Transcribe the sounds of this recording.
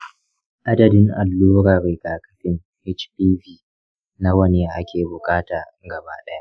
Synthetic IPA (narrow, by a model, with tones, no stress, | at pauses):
ʔa˦dɐ˨dɪ˦ŋʔa˨lːoː˦ɾaː˨ɾe˨kaː˨kɐ˨ɸɪ˦ŋ | hɛ˦t͡ʃpiː˦viː˦ | na˦wɐ˦ne˨ʔa˦kʲʰeː˨bʊ˨kʼaː˦taː˨ | ɡɐ˨baː˦ɗɐ˦ja˦